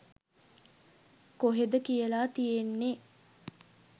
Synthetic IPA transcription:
koɦed̪əkijəlaːt̪ijenːe

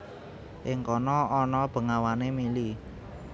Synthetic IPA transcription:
ʔɪŋkɔnɔɔnɔb̥ə̤ŋawanemili

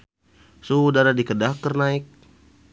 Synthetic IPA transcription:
sudaɾadikədahkːərnaik̚

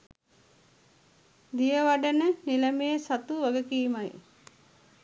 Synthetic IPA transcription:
d̪ijəʋaɖənəniləmeːsat̪uʋəɡəkiːmaj

